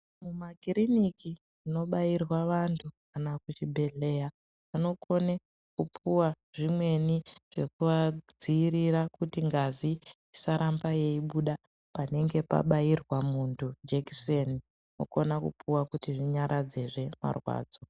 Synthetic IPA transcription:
mumaɡʱiɾiniki | ino̞ɓajirwaʋantʰukanakut͡ʃibʱe̞ɮe̞ja | pano̞kʰo̞ne | kupʰuwa | ʐimwe̞niʐ̥e̞kuʋad͡ziːɾiɾakutiŋɡazi | isaɾʔambaje̞iɓuɗa | pane̞ŋɡe̞pa̰ɓajirwamuntʰud͡ʒeki̥seni | no̞̰ko̞nakṵpʰuwakutiʐiɲaɾʔad͡ze̞ʐe̞ma̰rwa̰ːd͡zo̞

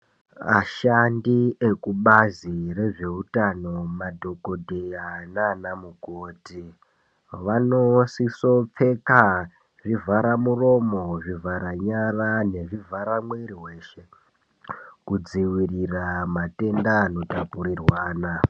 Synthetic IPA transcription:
a̰ʃandie̞kuɓazire̞ʐe̞utano̞madʱo̞ko̞dʱejananamukoːti | ʋano̞siso̞p͡fe̞ka | ʐivaɾamuro̞mo̞ʐivaɾaɲarane̞ʐivaɾamweɾiɦwe̞ʃe̞ | kud͡ziwiriramate̞ndano̞tapuɾirwaːna

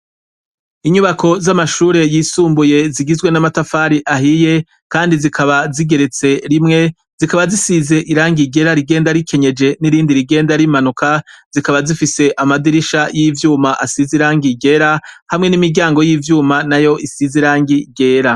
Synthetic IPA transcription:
iɲuβakʰo̞zamaʃuːɾe̞jiːsuːmbuje̞ziɡizɡwe̞namatafaːɾiʔaɦije̞ | kaːndizikʰaβaziɡe̞ɾe̞t͡se̞ɾimŋe̞ | z̥ikaβazisize̞ʔiɾaːŋɡiɡe̞ɾaɾiɡe̞ːndaɾikʰeɲe̞d͡ʒe̞niɾiːndiɾiɡe̞ːndaɾimanukaz̥ikaβazifise̞ʔamadiɾiʃajivjuːmaʔasiziɾaːŋɡiɟe̞ɾahamŋe̞nimiɟaːŋɡo̞jiːvjuːmanajo̞ʔisiziɾaːŋɡiɟe̞ːɾa

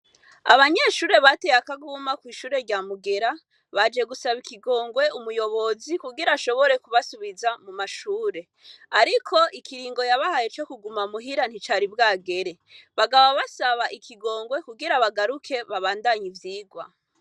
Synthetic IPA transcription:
a̰βaɲe̞ʃuːɾe̞βatejakaɡuːmakwiːʃuːɾe̞ɾɟaːmuɡe̞ɾa | βad͡ʒe̞ɡusaβikiɡo̞ːŋɡwe̞umujo̞βo̞zikuɡiɾaʃo̞βo̞ɾe̞kuβasuβizamumaʃuːɾe̞ | aɾikʰo̞ʔikʰiɾiːŋɡo̞jaβahaje̞t͡ʃo̞kuɡumamuɦiɾan̥hit͡ʃaːɾibɡaːɡe̞ɾe̞ | βaɡawaβasaβaʔikʰiɡo̞ːŋɡwe̞kuɡiɾaβaɡaɾukʰe̞βaβaːndaɲivjiːɡwa̰

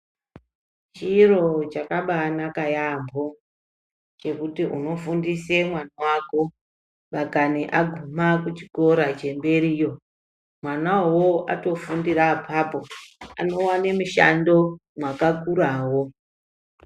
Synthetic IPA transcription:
t͡ʃiro̞t͡ʃakaɓanakajambʱo̞ | t͡ʃe̞kutiʔuno̞fundise̞mwanawako̞ | ʋakaneʔaɡʱumakut͡ʃi̥ko̞ɾat͡ʃe̞mbe̞ɾiːjo̞ | mwanawoa̰to̞fundiɾapʰapo̞a̰no̞wane̞muʃa̰ndo̞mwakakuɾaːwo̞

